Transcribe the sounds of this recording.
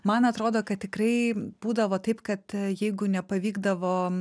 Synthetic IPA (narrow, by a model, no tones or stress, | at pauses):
mɐnɐt̪ɾoːd̪oːkɐt̪ʲtʲɪkɾɐɪb̥uːd̪ɐʋoːt̪ɐɪpkɐt̪jɛɪɡʊnʲɛpɐʋʲiːɡd̪ɐʋoː